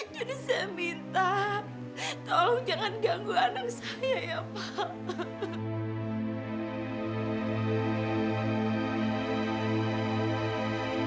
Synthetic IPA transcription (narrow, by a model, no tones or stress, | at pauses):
d͡ʒadisaamint̪a | t̪alaŋd͡ʒaŋanɡaŋɡuanaŋsajajapa